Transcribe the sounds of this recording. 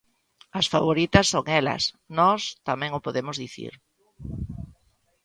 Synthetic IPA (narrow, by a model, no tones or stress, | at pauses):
ɐsfaβ̞oɾit̪ɐsːoŋɛlɐ̰s | nɔst̪amɛ̃ŋʊpoðemʊzðiθḭɾ